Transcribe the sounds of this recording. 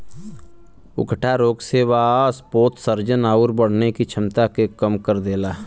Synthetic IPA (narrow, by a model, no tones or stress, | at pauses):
ʊ̰kʰʈʰaɾoːɡseːʋaːspoːt̪səɾd͡ʒənaːʊɾbəɽ̤nekit͡ʃʰɪmt̪akekəmkəɾd̪eːlaː